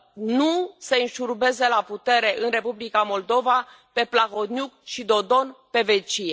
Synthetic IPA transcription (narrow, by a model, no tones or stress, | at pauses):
nuseɨnʃurbe̞ze̞laput̪e̞ɾe̞ʔɨnre̞publikamo̞ld̪o̞va | pe̞plaxo̞t̪nʲjukʃid̪o̞d̪o̞npe̞vet͡ʃije